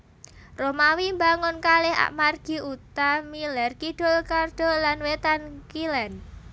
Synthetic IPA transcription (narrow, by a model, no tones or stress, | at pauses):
romawimbaŋʊnkalɪɦa̰ʔmarɡ̥i̤ut̪amilɛrkiɖ̥ɔlkard̥ɔ̤lanwet̪ankilɛn